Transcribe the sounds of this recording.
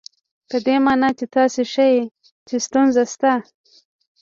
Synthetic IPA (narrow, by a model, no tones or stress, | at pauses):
pəd̪emɑnɑt͡ʃet̪ɑseʃaje | t͡ʃest̪unzast̪a